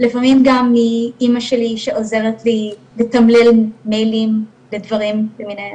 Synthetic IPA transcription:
lifamimɡamːiimaʃe̞liʃeoze̞ʁet̪lilet̪ɐmlilmejlim | ledvɐʁimbeminehem

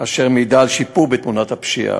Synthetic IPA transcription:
aʃeʁmid̪aːlʃipuʁbet̪munat̪hapʃḭa̰

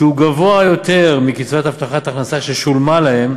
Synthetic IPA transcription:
ʃeuɡavo̞ajo̞t̪e̞ʁmikit͡svat̪aft̪aχat̪aχnasaʃeʃulmalahe̞m

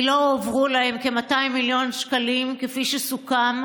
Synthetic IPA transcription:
lo̞ːvʁulahemke̞mataimːiljo̞nʃkalimkefiʃesukam

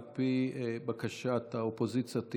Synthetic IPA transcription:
pibakaʃat̪aopozit͡sjat̪i

